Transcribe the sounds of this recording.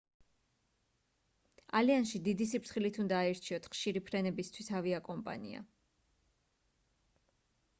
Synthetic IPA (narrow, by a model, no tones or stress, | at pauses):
aliansʃid̪id̪isipʰɾsʰχilit̪ʰund̪aːiɾt͡ʃʰiɔt̪ʰχʃiɾipʰɾɛnɛbist̪ʰwisaviakʼɔmpʼa̰nḭa̰